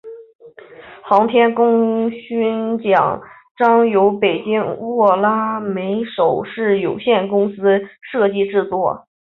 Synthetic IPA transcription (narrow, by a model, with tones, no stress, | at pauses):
xɑ˧˥ŋt̪ʰjɛ˥nkʊ˥ŋɕy˥nt͡ɕjɑ̰˨˩˦ŋ | ʈ͡ʂɑ˥ŋjo˧˥ʊpe˨˩ɪt͡ɕi˥ŋwɔ˥˩la˥me˧˥ɪʂo˨˩ʊʂɻ̩˥˩jo˨˩ʊɕjɛ˥˩nkʊ˥ŋsɹ̩˥ʂɤ˥˧t͡ɕi˥˧ʈ͡ʂɻ̩˥˧t͡swɔ˥˩